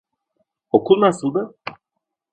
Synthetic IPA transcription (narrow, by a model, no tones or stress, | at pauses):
okunasud̪a